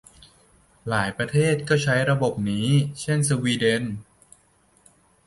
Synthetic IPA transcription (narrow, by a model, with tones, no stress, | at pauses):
laː˩˦jpɾa˧t̪ʰeː˥˩t̪̚kɔː˥˩t͡ɕʰa˦˥jɾa˧bo˨˩p̚niː˦˥t͡ɕʰe˥˩nsə˧wiː˧de˧n